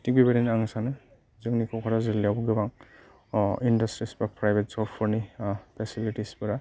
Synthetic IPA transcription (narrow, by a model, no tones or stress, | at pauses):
tik̚bibaɾinaŋsanɯ | zɯŋnikʰɔkʰaɾazɯlijabuɡɯbaŋ | indastɾispɾapɾajbʱet̚sɔpʰɔɾnipʰesilitispɯɾa